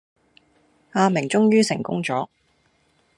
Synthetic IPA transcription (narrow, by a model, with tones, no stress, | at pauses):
aː˧mɪ˨˩ŋt͡sʊ˥ŋjyː˥sɪ˨˩ŋkʊ̰˥ŋt͡sɔː˨˥